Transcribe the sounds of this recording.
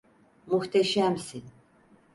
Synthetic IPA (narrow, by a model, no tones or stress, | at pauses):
muht̪ʰɛʃæmsin